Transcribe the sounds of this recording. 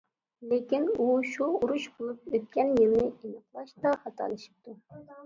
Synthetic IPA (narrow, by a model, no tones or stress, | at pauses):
lekʲinuʃuuɾuʃbolˠup̚øt̪̚kʲɛnjɪlnɪinɑqlˠɑʃd̪ɑχɑt̪ʰɑ̰lˠɨʃi̥p̚t̪ʰu